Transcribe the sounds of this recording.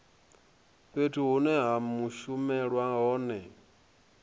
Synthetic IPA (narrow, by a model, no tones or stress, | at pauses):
ɸetʰuɦunɛɦamuʃumɛɺwaɦɔːnɛ